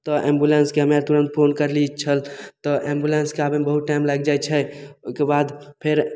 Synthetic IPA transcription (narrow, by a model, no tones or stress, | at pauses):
t̪ɔʔẽmbulenskeɦəmeɾt̪uɾənt̪̚pʰonkəɾlit͡ʃʰəlt̪ɔʔẽmbulenskeaːbebəɦut̪̚ʈajmlaɡd͡ʒajt͡ʃʰɛokebad̪pʰeɾ